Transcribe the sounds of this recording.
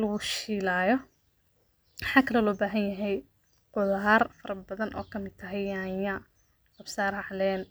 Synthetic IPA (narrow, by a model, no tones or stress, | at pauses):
lɐɣʊʃiːlaːjɔ | mɑħaːkʰɐlɐlɔːbaːɦɐnjɐɦɛj | qʊðɐɦɐrfɐɾɐbɐðɐnʔɔːkʰɐmɪd̪̚t̪ʰɐɦɛjaːjɐ | ɐbsaːɾɑʕlɛːn